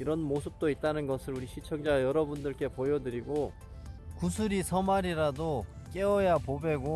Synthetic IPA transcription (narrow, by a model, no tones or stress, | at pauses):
iɾʌnmosʰɯp̚t͈oit̚t͈anɯnɡʌsʰɯɾuɾiɕʰit͡ɕʰʌŋd͡ʑajʌɾʌbundɯɭk͈e̞pojʌdɯɾiɡo | kusʰuɾisʰʌmaɾiɾadok͈e̞ʌjapobe̞ɡo